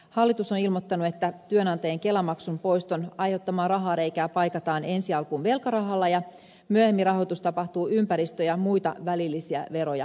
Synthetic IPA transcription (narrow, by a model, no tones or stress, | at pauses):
hɑlːit̪usonilmo̞t̪ːɑnuet̪ːæt̪yønɑnt̪ɑjeŋke̞lɑmɑksumpo̞ist̪onɑjhot̪ːɑmɑːrɑɦɑːɾejkæːpɑjkɑt̪ɑːne̞nsiɑlkuːnʋe̞lkɑrɑɦɑlːɑjɑ | myøhemːirɑɦo̞jt̪ust̪ɑpɑht̪uːʔympæɾist̪øjɑmujt̪ɑ̰ʋælilːisiæ̰ʋe̞ɾojɑ̰